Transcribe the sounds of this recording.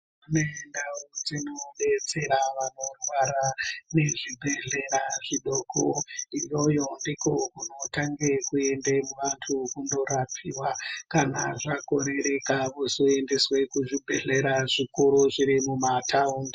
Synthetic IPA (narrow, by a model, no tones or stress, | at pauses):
munendaud͡zino̞ɓe̞t͡se̞ɾaʋano̞rwaɾane̞ʐibʱe̞ɮe̞ɾaʐiɗoko̰ijo̞jo̞ndiko̞kuno̞taŋɡe̞kue̞ndemuʋantʰukundo̞ɾapʰiwakana̰ʐako̞ɾe̞ɾe̞kaʋusoe̞ndeswe̞kuʐibʱe̞̰ɮe̞ɾaʐikuɾuʐiɾimumatʰaundi